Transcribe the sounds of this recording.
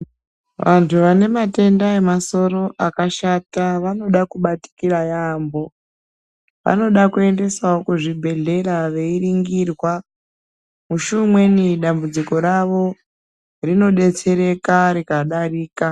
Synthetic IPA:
ʋantʰuʋane̞mate̞ndae̞maso̞ɾo̞ʔakaʃataʋano̞ɗakuɓati̥kirajambo̞ | ʋa̰no̞ɗakue̞nde̞saokuʐibʱe̞ɮe̞raʋe̞iriŋɡirwa | muʃumwe̞niɗambud͡ziko̞ɾaʋo̞ | rino̞ɗe̞t͡se̞ɾe̞kaɾikaɗaɾiːka

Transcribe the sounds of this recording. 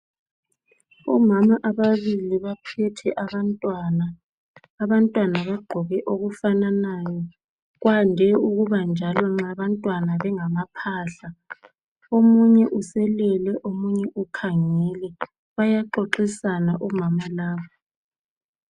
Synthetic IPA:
ɔmamaʔaβaβiliβapʰɛtʰɛʔaβantʼwanaː | βantʼwanaβaɡ͡ǃʱɔɣɛʔoɣufananajɔ | ɣwandʱɛuɣuβand͡ʒʱalɔŋ͡ǁaβantʼwanaβɛŋamapʰaːɬa | omuɲɛʔusɛlɛlɛʔomuɲɛʔukʰaŋɛlɛ | βajaǃoǃisanaʔɔmamalaːβɔ

